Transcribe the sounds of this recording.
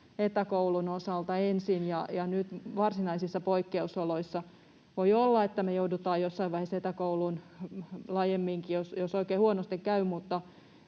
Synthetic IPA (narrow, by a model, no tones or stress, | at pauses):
et̪ækoulunosɑlt̪ɑensinjɑjɑnyt̪ʋɑrsinɑisisːɑpoikːeusoloisːɑ | ʋoiolːɑet̪ːæmejoudut̪ɑːjjosːɑiʋɑiheset̪ækoulun | lɑːjemːiŋkijosjosoikeːhuonost̪ikkæymut̪ːɑ